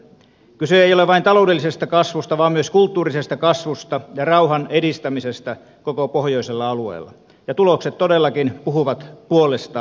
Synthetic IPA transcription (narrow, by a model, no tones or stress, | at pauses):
kyseejoleʋʋɑint̪ɑloudelːisest̪ækɑsʋust̪ɑʋɑːmmyøskult̪ːuːrisest̪ækɑsʋust̪ɑjɑrɑuhɑnedist̪æmisest̪æ | kokopohjoiselːɑɑluḛːlːˑɑ̰ | jɑt̪ulokset̪t̪ːodelːɑkinpuɦhuʋɑt̪puolest̪ɑː